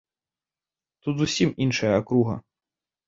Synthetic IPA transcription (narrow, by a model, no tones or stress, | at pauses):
t̪ut̪zusʲiminʂɐjɐakɾuɣɐ̰